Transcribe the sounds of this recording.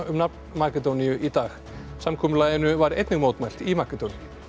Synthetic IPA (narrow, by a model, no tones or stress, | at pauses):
ʏmnapnmakɛt̪ownijʏʔit̪aːx | samkʰɔːmʏlaːjðɪnʏvaɾḛjt̪nɪɣmoːwt̪majl̥t̪imakɛt̪owni